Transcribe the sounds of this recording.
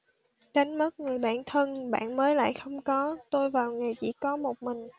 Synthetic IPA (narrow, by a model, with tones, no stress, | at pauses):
ɗa˨˦jŋmə˦˥t̚ŋɨ˨˩əjɓa̰ː˧˨nt̪ʰə˧nɓa̰ː˧˨nməː˨˦jla̰ː˧˨jxə˧wŋ͡mkɔ˨˦t̪o˧jvaː˨˩wŋa˨˩jt͡ɕḭ˧˥kɔ˨˦mo˨˩t̚mï˨˩ŋ̟